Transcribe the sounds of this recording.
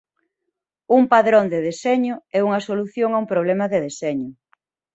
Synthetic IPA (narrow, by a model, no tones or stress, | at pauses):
umpaðɾond̪eðesɛɲʊɛuŋɐsoluθjoŋaumpɾoβlɛmɐðeðesɛɲʊ